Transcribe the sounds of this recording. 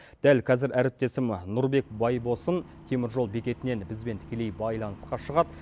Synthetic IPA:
d̪̥ælqʰɑzɪɾʔæɾɪp̚t̪e̞sɪmnʊɾbe̞kbɑjbo̞sən | t̪ʰemɪɾʒo̞lˠbe̞kʲe̞t̪ɪne̞nbɪzbe̞nt̪ʰɪ̥kʲe̞le̞jbɑjlˠɑnəsqɑʃəʁɑd̪

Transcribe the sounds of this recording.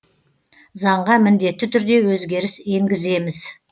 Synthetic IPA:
zɑɴʁɑmɪnd̪e̞t̪ːɪt̪ʰʏɾd̪e̞wɵzɡʲe̞ɾɪse̞ŋɡʲɪze̞mɪz

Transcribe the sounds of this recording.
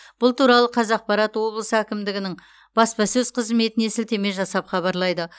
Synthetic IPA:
b̥ʊlˠt̪uɾɑlˠəqʰɑzɑq̚pɑɾɑt̪wo̞blˠəsəækʲɪmd̪ɪɡʲɪnɪŋ | b̥ɑspɑsɵzqʰəzme̞t̪ɪnesɪlt̪e̞me̞ʒɑsɑpχɑβɑɾlˠɑjd̪ə

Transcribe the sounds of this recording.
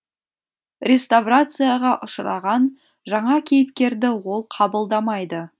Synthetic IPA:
ɾʲe̞st̪avrat̪sɨjaʁɑʔʊʃɾɑʁɑn | ʒɑɴɑkʲʰe̞jɪpkʲe̞ɾd̪ɪwo̞lˠqʰɑbəlˠd̪ɑmɑjd̪ə

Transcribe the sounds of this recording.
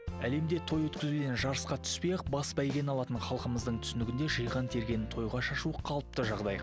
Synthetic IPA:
æle̞md̪e̞t̪ʰo̞jwɵt̪kʲɪzud̪e̞nʒɑɾəsqɑt̪ʰʏ̥spejqbɑsbæjɡʲe̞nɑlˠɑt̪əɴχɑlˠqəməzd̪əɴt̪ʰʏ̥sɪnɪɡʲɪnd̪e̞ʒəjʁɑnt̪ʰe̞ɾɡʲe̞nɪnt̪ʰo̞jʁɑʃɑʃuəqʰɑlˠəp̚t̪əʒɑʁd̪ɑj

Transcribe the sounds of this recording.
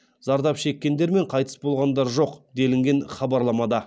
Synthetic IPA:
zɑɾd̪ɑpʃe̞kʲːe̞nd̪e̞ɾme̞ɴqʰɑjt̪ə̥sbo̞lˠʁɑnd̪ɑɾʒo̞qd̪e̞lɪŋɡʲe̞nχɑbɑɾlˠɑmɑd̪ɑ

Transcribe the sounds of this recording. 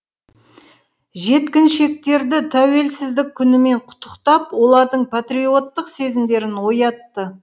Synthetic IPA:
ʒe̞t̪kʲɪnʃe̞k̚t̪e̞ɾd̪ɪt̪ʰæwe̞lsɪzd̪ɪkʲʰːʏnɪme̞ɴqʰʊ̥t̪ːə̥qt̪ɑpwo̞lˠɑɾd̪əɴpʰat̪rio̞t̪ːəqse̞zɪmd̪e̞ɾɪnwo̞jɑt̪ːə

